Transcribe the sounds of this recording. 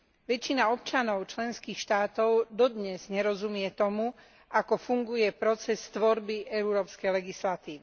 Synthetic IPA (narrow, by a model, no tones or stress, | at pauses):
ʋɛt͡ʃːinaɔpt͡ʃanɔʊt͡ʃlɛnskiːxʃt̪aːt̪ɔʊd̪ɔd̪ɲɛz̥ɲɛɾɔzumɪɛt̪ɔmu | ʔakɔfuŋɡujɛpɾɔt͡sɛst̪ʋɔɾbiʔɛuɾɔːpskɛjlɛɡislat̪iːʋi